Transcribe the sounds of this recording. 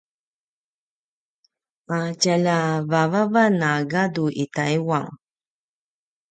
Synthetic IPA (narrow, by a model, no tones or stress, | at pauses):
acalavavavanaɡaduʔit̪ajwaŋ